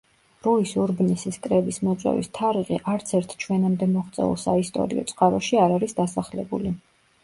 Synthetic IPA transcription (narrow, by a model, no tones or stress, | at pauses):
ɾuisuɾbnisiskʼɾɛbismɔt̪sʼwɛ̰vḭst̪ʰaɾiʁiʔaɾt̪sʰɛɾt̪ʰt͡ʃʰwɛnamd̪ɛmɔχt̪sʼɛ̰ṵlˠsaist̪ʼɔ̰ɾḭɔ̰t̪sʼqʼaɾɔʃiaɾaɾisd̪asaχlɛbṵli